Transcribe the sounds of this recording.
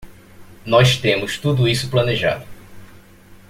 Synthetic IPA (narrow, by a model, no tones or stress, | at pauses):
nɔst̪ẽmʊst̪ud̪ʊisʊplɐneʒa̰d̪ʊ